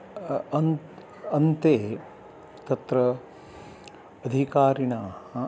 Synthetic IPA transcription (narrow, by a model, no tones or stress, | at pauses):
ɐn | ɐnt̪eː | t̪ɐt̪ɾɐ | d̪ʱikaːɾinaːhɐ